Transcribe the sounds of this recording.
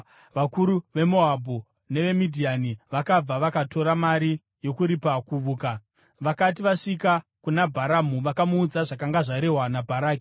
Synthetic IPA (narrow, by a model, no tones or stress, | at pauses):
ʋakuɾuʋe̞mo̞abʱu | ne̞ʋe̞midʱianiʋakab͡vaʋakato̞ɾamaɾi | jo̞kuɾipakuʋuːka | ʋakat̬iʋaʂikakunabʱaɾamuʋakamuːd͡zaʐakaŋɡaʐaɾe̞ɦwanabʱaɾaːki̥